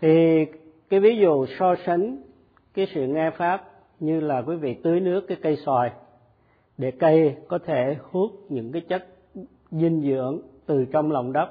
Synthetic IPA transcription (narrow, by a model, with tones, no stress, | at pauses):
t̪ʰi˨˩ | kaː˨˦jvi˨˦zṵ˧˨sɔ˧sa˨˦ŋ̟ | kaː˨˦jsɨ̰˧˨ŋaː˧faː˦˥p̚ | ɲɨ˧laː˨˩kwi˨˦vḭ˧˨t̪ɨ˨˦əjnɨ˦˥əkːaː˨˦jkə˧jswaː˨˩j | ɗe˧˩kə˧jkɔ˨˦t̪ʰe˧˩hu˦˥ət̚ɲɨ̰˧˥ŋkaː˨˦jt͡ɕə˦˥t̚ | zi˧ŋzɨ̰˧˥əŋt̪ɨ˨˩t͡ɕɔ˧wŋ͡mla˨˩wŋ͡mɗə˦˥p̚